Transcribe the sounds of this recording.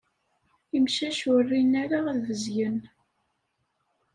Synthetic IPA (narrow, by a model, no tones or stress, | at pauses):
imʃæʃʊrːinæɾaðvəzjən